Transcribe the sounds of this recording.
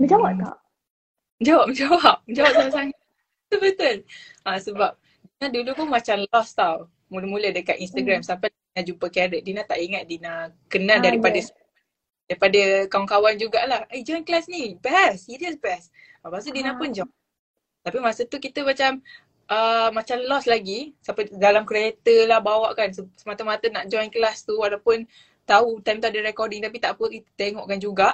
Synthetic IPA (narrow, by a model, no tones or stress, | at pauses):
məd͡ʒawapka̰ʔ | d͡ʒawap̚məd͡ʒawap̚məd͡ʒawap̚samasaŋat̪̚ | t̪ubət̪ʊlʔasəbap̚ | dinãdulupʊnmat͡ʃamlɔst̪aw | muləmulədəkat̪inst̪aɡɾamsampainad͡ʒupəkaɾədinat̪aʔiŋat̪̚dinakənãdaɾipadəs | daɾipadəkawaŋkawand͡ʒuɡaʔlahʔed͡ʒɔjnklasnibɛsːiɾiəsbɛs | bas̬ədinãpʊnd͡ʒɔ | t̪apimasət̪ukit̪əmat͡ʃam | ʔəmat͡ʃamlɔslaɡisapədalamkɾiet̪əlahbawaʔkansəsəmat̪əmat̪ənaʔd͡ʒɔjnkəlast̪uadawpʊn | t̪aut̪ajmt̪uadəɾɛkɔdiŋt̪ap̬it̪aʔpəkit̪t̪eŋɔʔkand͡ʒuɡaʔ